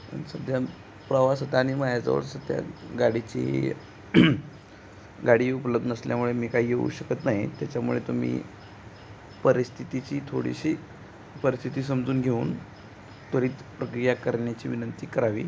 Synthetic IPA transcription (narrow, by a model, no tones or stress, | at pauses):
ə̰nsəd̪ʱja | pɾəʋasət̪aːñimajad͡zə̰ʋə̰ɭsəd̪ja̰ɡaɽit͡ɕḛɦḛ | ɡaɽiːupələbd̪ənəsljamuɭemiːkaijeṵɕəkət̪naɦit̪jat͡ɕamṵɭet̪um̤ḭː | pəɾist̪ʰit̪it͡ɕiːt̪ʰo̰ɽḭɕiː | pəɾist̪ʰit̪iːs̬əmd͡zuːnɡʱeuːn | t̪əɾiːt̪pɾəkɾijakəɾɳjat͡ɕiːʋinənt̪iːkəɾaʋḭː